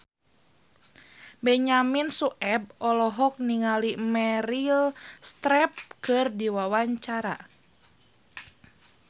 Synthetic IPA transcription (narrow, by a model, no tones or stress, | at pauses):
bɛɲaminsuʔɛb̚ɔlɔɦɔk̚niŋalimɛɾilst̪ɾɛp̚kɨrdiwawaɲt͡ʃaɾa̰